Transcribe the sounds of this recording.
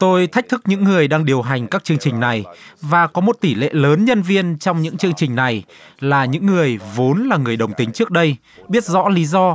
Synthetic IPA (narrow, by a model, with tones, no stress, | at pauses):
t̪o˧jt̪ʰa˦˥k̚t̪ʰɨ˦˥k̚ɲɨ̰˧˥ŋːɨ˨˩əjɗaː˧ŋɗi˨˩əwɦa˨˩jŋ̟kaː˦˥k̚t͡ɕɨ˧əŋt͡ɕï˨˩ŋ̟na˨˩jvaː˨˩kɔ˨˦mo˨˩t̚t̪i˧˩lḛ˧˨ləː˨˦nɲə˧nvi˧ənt͡ɕɔ˧wŋ͡mɲɨ̰˧˥ŋt͡ɕɨ˧əŋt͡ɕï˨˩ŋ̟na˨˩j | laː˨˩ɲɨ̰˧˥ŋːɨ˨˩əjvo˨˦nlaː˨˩ŋɨ˨˩əjɗə˨˩wŋ͡mt̪ï˨˦ŋ̟t͡ɕɨ˦˥ək̚ɗə˧j | ɓi˦˥ət̚zɔ̰˧˥li˨˦zɔ˧